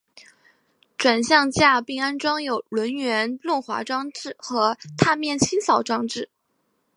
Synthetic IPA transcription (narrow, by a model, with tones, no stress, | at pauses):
ʈ͡ʂwa˨˩nɕjɑ˥˧ŋt͡ɕja˥˩pi˥˩ŋa˥nʈ͡ʂwɑ˥ŋjo˨˩ʊlwə˧˥nɥɛ˧˥nlwə˥˩nxwa̰˧˥ʈ͡ʂwɑ˥ŋʈ͡ʂɻ̩˥˩xɤ˧˥t̪ʰa˥˧mjɛ˥˩nt͡ɕʰi˥ŋsɑ˨˩ʊʈ͡ʂwɑ˥ŋʈ͡ʂɻ̩˥˩